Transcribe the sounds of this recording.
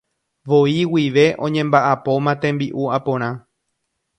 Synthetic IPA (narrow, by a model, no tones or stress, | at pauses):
ʋo̞iwiʋe̞ʔõ̞ɲẽ̞mbaʔapo̞mãt̪ẽ̞mbiʔuapõ̞ɾ̃ã